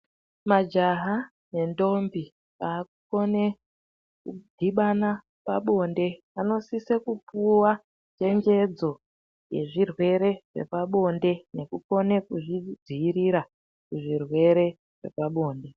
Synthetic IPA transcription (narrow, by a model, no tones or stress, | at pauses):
mad͡ʒaɦa | ne̞ndo̞mbi | paːkukone | kudʱiɓana | paɓo̞nde̞ | ano̞sise̞kupuwa | t͡ʃe̞ŋɡe̞d͡zo̞ | je̞̰ʐirwe̞ɾe̞ʐ̥e̞̰paɓo̞nde̞ne̞kuko̞ne̞kuʐid͡ziiɾiɾa | kuʐirwe̞ɾe̞ | ʐ̥e̞̰paɓo̞ːnde